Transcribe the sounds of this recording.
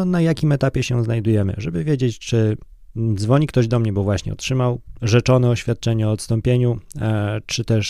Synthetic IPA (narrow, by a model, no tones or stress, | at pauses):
ɔnajakʲimɛt̪apʲjɛɕɛznajd̪ujɛmɘ̰ʐɛbɘvʲjed͡ʑet͡ɕt͡ʂɘ | d̪zvɔɲik̚t̪ɔʑd̪ɔmɲɛbɔvwaɕɲɛ̰ɔ̰tʂɘmawʐɛt͡ʂɔnɛɔɕfʲjat̪̚t͡ʂɛɲɛɔːt̪st̪ɔmpʲjeɲu | t͡ʂɘt̪ɛʂ